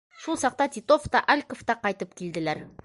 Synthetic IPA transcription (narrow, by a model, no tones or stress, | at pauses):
ʃulˠsɑq̚t̪ɑt̪ʲit̪o̞ft̪ɑʔælʲkoft̪ɑqɑjt̪əp̚kʲʰeld̪ɪlæɾ